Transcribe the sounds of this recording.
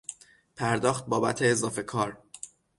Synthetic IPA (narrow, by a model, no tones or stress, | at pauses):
pʰæɾd̪ɒːxt̪̚bɒːbæ̰t̪ʰeːzɒːfe̞kʰɒːɾ